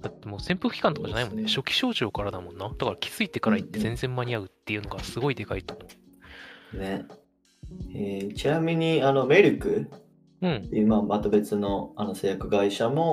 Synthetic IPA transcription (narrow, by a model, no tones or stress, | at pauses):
d̪̥at̪ːe̞moːsẽ̞mpɯkɯ̟kʲi̥kãnt̪okaʑanaimõ̞nːeɕo̞kʲi̥ɕo̞ːʑo̞ːkaɾad̪amõ̞nːad̪̥akaɾakʲʰi̥z̥ɨit̪e̞kaɾait̪ːe̞zẽ̞nd͡zẽ̞mːaɲ̟iaɯ̟t̪ːe̞jɯ̟no̞ɡasɨɡo̞id̪e̞kait̪o̞mo̞ɯ | ne | et͡ɕinamʲiɲ̟iano̞me̞ɾʲɯkɯ̟ | t̪ɯ̟̃ɴːejɯ̟mamat̪obe̞t͡sɨno̞ano̞sejakɯ̟ɡaiɕamo̞